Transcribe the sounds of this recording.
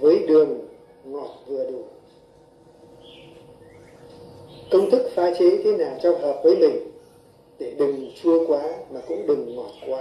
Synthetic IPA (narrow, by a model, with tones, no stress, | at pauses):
vəː˨˦jɗɨ˨˩əŋː | ɔ˨˩t̚vɨ˨˩əɗu˧˩ | kə˧wŋ͡mt̪ʰɨ˦˥k̚faː˨˦t͡ɕe˨˦t̪ʰe˨˦naː˨˩ŋt͡ɕɔ˧˩wɦəː˨˩p̚vəː˨˦jmï˨˩ŋ̟ | ɗe˧˩ɗɨ˨˩ŋt͡ɕu˧əkwaː˨˦maː˨˩kʊ̰˧˥ŋ͡mɗɨ˨˩ŋːɔ˨˩t̚kwaː˨˦